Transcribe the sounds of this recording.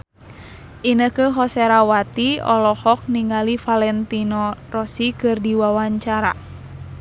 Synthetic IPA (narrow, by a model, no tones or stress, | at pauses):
ʔinəkəɦɔsɛɾawat̪iɔlɔhɔk̚niŋalifalɛnt̪inɔrɔsikɨrdiwawaɲt͡ʃaɾa̰